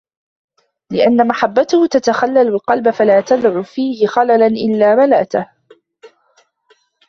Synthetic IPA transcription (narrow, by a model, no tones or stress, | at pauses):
lɪʔanːamaħabːat̪ʊhʊt̪at̪axalːalɪlqɑlbafalaːt̪ad̪ʕuːfiːhɪxalalanʔɪlːaːmalaʔt̪ah